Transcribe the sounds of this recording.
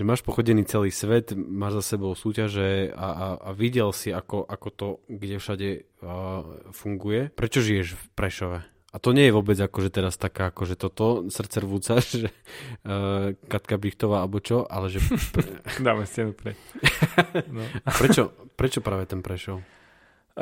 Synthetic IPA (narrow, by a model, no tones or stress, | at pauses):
ʒɛmaːʃpɔxɔɟɛniːt͡sɛliːsʋɛt̪maːʒzasɛbɔʊsuːcaʒɛa̰aaʋiɟɛlsiakɔʔakɔt̪ɔɡɟɛfʃaɟɛ | fuŋɡujɛpɾɛt͡ʃɔʒijɛʒfpɾɛʃɔʋɛ | at̪ɔɲɛjɛʋɔbɛd͡zakɔʒɛt̪ɛɾast̪akaːakɔʒɛt̪ɔt̪ɔsr̩tt͡sɛɾʋut͡saʒɛ | kat̪kabɾixt̪ɔʋaːalɛbɔt͡ʃɔʔa̰lɛʒɛpd̪aːmɛsɛnupɾɛ | pɾɛt͡ʃɔpɾɛt͡ʃɔpɾaːʋɛt̪ɛnpɾɛʃɔʊ